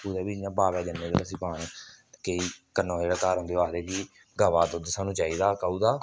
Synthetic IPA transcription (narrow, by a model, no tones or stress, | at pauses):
ud̪eːbiːjãːbaːʋɛːd͡ʒənːẽːd̪eləsɪpaːn | keiːkənːõːd͡ʒeːɽaːkaːɾɦʊ̃nd̪eːaːsɾeːkiː | ɡəʋaːt̪õːd̪əsãːnũːt͡ʃaːiːd̪aːkəːuːd̪aː